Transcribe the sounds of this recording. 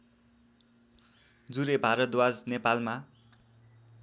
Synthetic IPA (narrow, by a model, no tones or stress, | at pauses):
d͡zuɾebʱaɾʌt̪wad͡znepalma